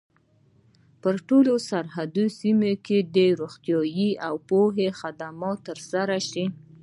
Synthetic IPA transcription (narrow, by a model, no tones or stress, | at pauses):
pəɾʈolosaɾhad̪osimoked̪əɾoxt̪jɑjiawpoɦexad̪amɑt̪ːəɾsaɾaʃi